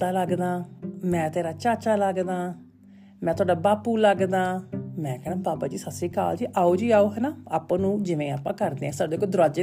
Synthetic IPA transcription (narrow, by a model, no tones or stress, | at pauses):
aːləɡd̪aːmɛ̃ːt̪eːɾaːt͡ʃaːt͡ʃaːləɡd̪aː | mɛ̃ːt̪ʰʊaːɖaːbaːpuːləɡd̪aːmɛ̃ːkɛːnãːbaːpaːd͡ʒiːsəsiːka̰ːld͡ʒiːʔaːoːd͡ʒiːaːoːɦɛːnaːa̰ːpãːnũːd͡ʒɪʋẽːa̰ːpãːkəɾd̪eːɛ̃ːsaːd̪eːkoːd̪ʊɾaːd͡ʒe